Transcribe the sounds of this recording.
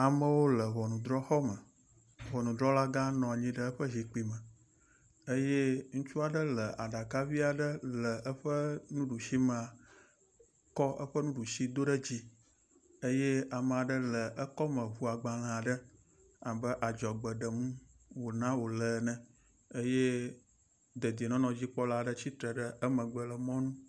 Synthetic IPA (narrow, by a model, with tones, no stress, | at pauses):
a˨mə̃˦wo˦lə˨βɔ˨nũ˨d̪ɾɔ˦xɔ˦mə̃˨ | βɔ˨nũ˨d̪ɾɔ˦la˦ɡã˦nɔ̃˨a˨ɲĩ˦ɖə˦ə˦ɸə˦zi˨k͡pi˨mə˨ | ə˦je˦ŋũ˦t͡ʃu˦a˨ɖə˦lə˨ʔa˨ɖa˨ka˦vi˦a˨ɖə˦lə˨ʔə˦ɸə˦nũ˦ɖu˨ʃi˦mə˨a˨ | kɔ˦ʔə̰˦ɸə˦nũ˦ɖu˨ʃi˦d̪o˦ɖə˦d͡ʑi˦ | ə˦je˦a˨m̃˨a˨ɖə˦lə˨ʔə˦kɔ˦mə̃˨vu˦a˨ɡ͡ba˨l̃ã˨a˨ɖə˦ | a˨bə˦ʔa˨d͡ʒɔ˨ɡ͡bə˨ɖə˨mũ˦ | wo˨nã˦wo˨lə˨nɛ̃˨ | ə˦je˦ | d̪ə˨d̪nɔ̃˦nɔ̃˨d͡ʑi˦k͡pɔ˦la˦ɖə˦t͡ɕi˦t̪ɾə˨ɖə˦ʔə˦mə̃˨ɡ͡bə˨lə˨mɔ̃˦nũ˦